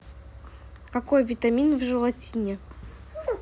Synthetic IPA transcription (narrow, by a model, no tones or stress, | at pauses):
kɐkojvʲɪt̪ɐmʲinvʐɨlˠɐtʲinʲɪ